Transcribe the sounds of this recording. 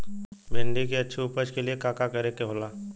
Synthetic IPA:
mʱẽːɳɖikeɐtːʃʰiupəd͡ʒkeliekaːkakɐɾekeɦoːlaː

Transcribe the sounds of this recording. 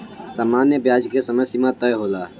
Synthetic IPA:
saːmaːnjəbjaːd͡ʒkesəməjsimãt̪əjɦoːlaː

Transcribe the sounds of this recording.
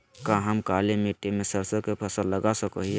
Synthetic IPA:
kaɦəmkalemiʈːemesəɾsəkepʰəsəlːəɡasəkə̰ɦie

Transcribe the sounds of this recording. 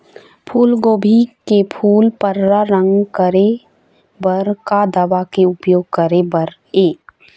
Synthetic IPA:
pʰuːlɡoːbʱikepʰuːlpəɾːaɾə̃ŋɡkəɾe | bəɾkad̪ɐʋakeʊpjoːɡ̚kəɾebəɾ | eː

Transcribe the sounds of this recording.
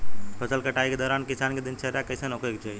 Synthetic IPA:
pʰəsəlkəʈaːjked̪ɔːɾaːnkisaːnked̪int͡ʃʰəɾjakəjsənokʰekt͡ʃoj

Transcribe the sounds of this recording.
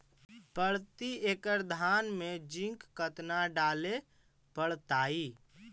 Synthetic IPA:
pəɽt̪iekəɾd̪ʱanmed͡ʒĩŋkːət̪naɖale | pəɽt̪aːi

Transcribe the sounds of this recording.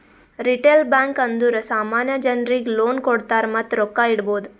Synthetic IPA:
ɾiʈeːlbãːŋkənd̪uɾəsaːmaːnjəd͡ʒənɾikloːnkoɽt̪aːɾmɐt̪ɾokːaiɽboːd̪

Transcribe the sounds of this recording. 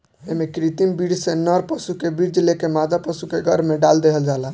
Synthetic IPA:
emekɾit̪imbiɽsenəɾpəsukebiɾd͡ʒlekemad̪apəsukeɡʱəɾmeɖald̪eɦəld͡ʒalən

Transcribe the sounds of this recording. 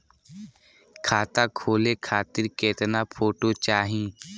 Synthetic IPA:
kʰaːt̪aːkʰoːleːkʰaːt̪ɪɾkeːt̪napʰoːʈoːt͡ʃaːɦĩː

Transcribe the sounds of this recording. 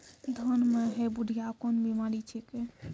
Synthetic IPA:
d̪ʱənmeɦebuɖʱijakonbimaɾit͡ʃʰeke

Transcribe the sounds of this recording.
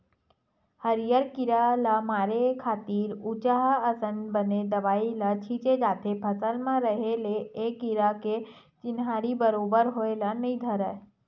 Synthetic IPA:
həɾjəɾkɪɾalamaːɾekʰaːt̪iːɾut͡ʃaɦaəsənbəned̪əʋaːilat͡ʃʰit͡ʃed͡ʒaːt̪ʰepʰəsəlmãɾəɦeleːkɪɾake | t͡ʃɪnɦaːɾibəɾoːbəɾɦoːelanəĩd̪ʱəɾə

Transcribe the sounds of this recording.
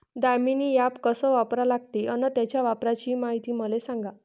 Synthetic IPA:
d̪ajminijapkəsəʋapɾalaɡt̪eʔənət̪jat͡ɕjaʋapɾat͡ɕiːmaɦit̪iːməlesãŋɡa

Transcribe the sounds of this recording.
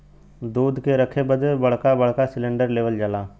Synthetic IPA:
d̪uːd̪keɾəkʰebəd̪ebɐɽ̤kabɐɽ̤kasɪlə̃ɳɖəɾleːʋəld͡ʒəlaː

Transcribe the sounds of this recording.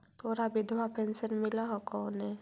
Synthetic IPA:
t̪ʰoːɾabɪd̪ʱwapɛ̃nsənmɪlaɦɔkɔːnɦɛ

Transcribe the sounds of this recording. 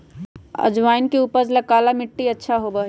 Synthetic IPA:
ə̰d͡ʒʋaːinkeupəɾləkalamɪʈːiətːʃʰaɦobəɦ

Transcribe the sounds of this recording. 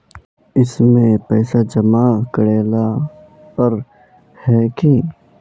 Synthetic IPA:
ɪsmẽpɛːsad͡ʒəmakəɽeːla | pəɾ | hɛːki

